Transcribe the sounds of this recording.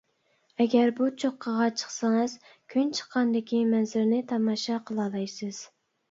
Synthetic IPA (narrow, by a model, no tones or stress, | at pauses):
ɛɡʲæɾbut͡ʃʰoqʰːɑʁɑt͡ʃʰə̥χsɑŋɨz̥ | kʲʰynt͡ʃʰə̥qʰːɑnd̪ɪkʲimɛnzɪɾnɪt̪ʰɑmɑʃɑqʰəlˠɑlˠɑjsɨz̥